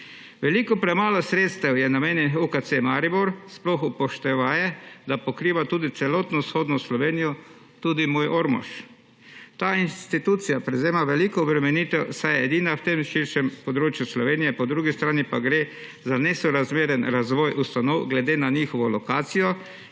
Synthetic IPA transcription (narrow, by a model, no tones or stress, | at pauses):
ʋɛlikɔpɾɛmaːlɔsɾeːt̪st̪ɛwjɛnameːnjɛukat̪semaɾibuɾsplɔxupɔʃt̪ɛʋaːjɛd̪apɔkɾiːʋat̪uːd̪it̪sɛlɔːt̪nɔsxoːd̪nɔslɔʋeːnijɔ | t̪uːd̪imoːjʔɔɾmɔ̰ʃ | t̪aːinst̪it̪ut̪sijapɾɛzeːmaʋɛlikɔɔbɾɛmɛniːt̪ɛsajɛd̪iːnawt̪emʃiɾʃɛmpɔd̪ɾoːt͡ʃjuslɔʋeːnijɛpɔd̪ɾuːɡist̪ɾaːnipaɡɾe | zanɛsɔɾazmeːɾɛnɾazʋɔːjʔust̪anɔwɡlɛd̪eːnaɲiːxɔʋɔlɔkaːt̪sijɔ